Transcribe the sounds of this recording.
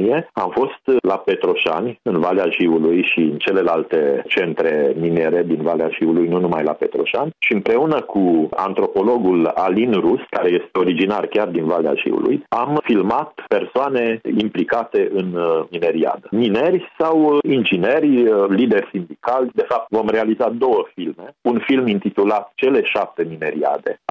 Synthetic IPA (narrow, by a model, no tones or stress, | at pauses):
ijea̰mfo̞st̪lape̞t̪ɾo̞ʃa̰nʲɨnvaleaʒiulujʃiɨnt͡ʃe̞le̞lalt̪e̞t͡ʃe̞nt̪ɾe̞mineɾe̞d̪invaleaʒiulujnunumajla̰pe̞̰t̪ɾo̞̰ʃanʲʃiɨmpɾe̞unəkʰua̰nt̪ɾo̞po̞lo̞ɡulalinruskaɾe̞je̞st̪eo̞ɾid͡ʒinarkʲard̪invalea̰ʒḭṵlṵjamfilmat̪pe̞rsoane̞implikat̪e̞ʔɨnmine̞ɾia̰d̪əminerʲsawind͡ʒine̞rʲlid̪erʲsind̪ikalʲd̪e̞fap̚t̪vo̞mrealizad̪o̞wəfilme̞unfilmint̪it̪ulat̪̚t͡ʃe̞le̞ʃap̚t̪e̞mine̞ɾia̰d̪e̞̰